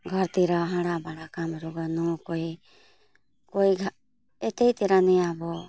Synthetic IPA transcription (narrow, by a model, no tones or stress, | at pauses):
ɡʱɔɾt̪iɾɔɦãɽabaɽakamɾuɡanɔkɔj | kojɡʱa | ɛt̪ɛjt̪iɾanɛabɔ